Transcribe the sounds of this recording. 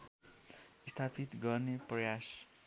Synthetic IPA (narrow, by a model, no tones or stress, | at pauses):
st̪ʰapit̪ɡʌrneprʌjas